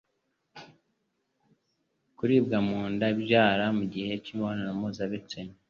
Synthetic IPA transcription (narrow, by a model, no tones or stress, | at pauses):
kuɾiːbɡamuːndabjaːɾamuɟihe̞cimβanaɾamozaβet͡sene